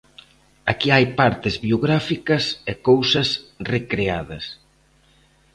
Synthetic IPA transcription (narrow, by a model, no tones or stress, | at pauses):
akiajpaɾt̪ɪzβioɣɾafikɐsɛkowsɐsrekɾeaðɐs